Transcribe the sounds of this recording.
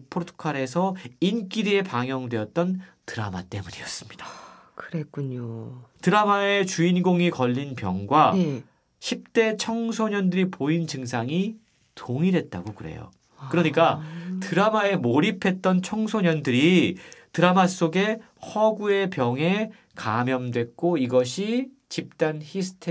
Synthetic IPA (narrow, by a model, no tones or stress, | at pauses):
pʰoɾtʰɯ̥kʰaɾe̞s̬ʰʌink͈iɾie̞paŋjʌŋdwe̞ʌt̚t͈ʌntɯɾa̰ma̰t͈e̞muɲḭʌs͈ɯ̥mɲid̥ḁ | kɯɾek͈uɲotɯɾamae̞t͡ɕuinɡoŋikʌʎːinpjʌ̰ŋɡwa | ɕʰip̚t͈e̞t͡ɕʰʌŋsʰoɲʌndɯɾipoint͡ɕɯŋsʰaŋi | tʰoŋiɾe̞t̚t͈aɡokɯɾe̞̰jo̰ | kɯɾʌɲik͈atɯɾamae̞moɾipʰe̞t̚t͈ʌnt͡ɕʰʌŋsʰoɲʌndɯɾitɯɾamas͈oɡe̞ | hʌɡue̞pjʌŋe̞ | kamjʌmdwe̞k̚k͈oiɡʌɕʰi | t͡ɕip̚t͈ançisʰɯ̥tʰ